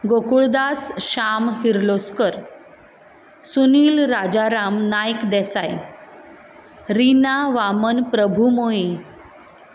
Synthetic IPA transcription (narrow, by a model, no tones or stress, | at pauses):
ɡokuɭd̪asɕamɦiɾloskəɾ | suniːlɾad͡ʑaɾamnajkd̪ɛsaj | ɾinaʋamənpɾəbʱumoe